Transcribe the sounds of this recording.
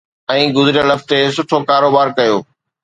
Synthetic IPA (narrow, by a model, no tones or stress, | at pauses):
ɛ̃ːɡʊzɪɾɪjə̃lɐft̪es̬ʊʈʰokaːɾoːbaːɾkɐjoː